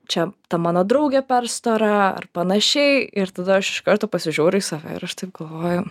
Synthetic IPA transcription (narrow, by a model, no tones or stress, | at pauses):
t͡ʃʲɛt̪ɐmɑːnoːd̪ɾɐʊɡʲɛpʲɛrst̪oːɾɐɐ̰rpɐnɐʃʲɛɪɪɾt̪ɐd̪ɐɐʃɪ̥ʃkɐɾt̪oːpɐsʲɪʒʲuːɾʲʊisɐʋʲɛ̰ɪ̰ɾɐʃt̪ɐɪp̚ɡɐlˠʋoːjʊ